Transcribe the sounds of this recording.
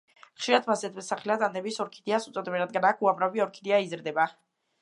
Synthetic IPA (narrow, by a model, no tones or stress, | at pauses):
χʃiɾad̪ʰmasɛt̪ʰmɛsaχɛlad̪and̪ɛbisɔɾkʰid̪iasut̪sʼɔd̪mɛɾad̪̚ɡanakʰuamɾaviɔɾkʰid̪iaizɾd̪ɛba